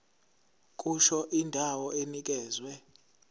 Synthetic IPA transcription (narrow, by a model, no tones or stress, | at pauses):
kʼuʃɔʔindʱawɔenik̬ʼɛːzwɛ